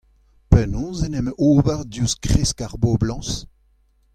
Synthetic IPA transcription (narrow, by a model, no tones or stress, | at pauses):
pɛnɔ̃ːzenɛmʔoːvɛʁdjuskʁeskaʁboblɑ̃ːs